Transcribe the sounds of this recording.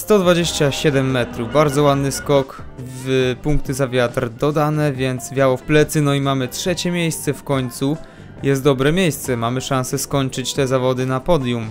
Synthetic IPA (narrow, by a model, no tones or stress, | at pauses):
st̪ɔd̪vad͡ʑeɕt͡ɕaɕɛd̪ɛmːɛt̪ɾuvbaɾd̪zɔwad̪nɘskɔk | vpuŋk̚t̪ɘzavʲjat̪rd̪ɔd̪anɛvʲjɛnt̪zvʲjawɔfplɛt̪sɘnɔimamɘtʂɛt͡ɕɛmʲjejst̪sɛfkɔɲt̪su | jɛst̪̚d̪ɔbɾɛmʲjejst̪sɛmamɘʂansɛskɔɲt͡ʂɘt͡ɕt̪ɛzavɔd̪ɘnapɔd̪ʲjum